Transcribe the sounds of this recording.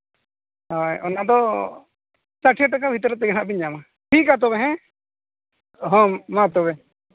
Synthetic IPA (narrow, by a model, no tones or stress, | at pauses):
ɦajɔnad̪ɔ | saʈʰɛʈakabʱit̪ɔɾɛt̪ɛɡanaʔbiɲama | ʈʰikat̪̬ɔbɛɦɛ̃ | ɦɔ̃mat̪ɔβɛ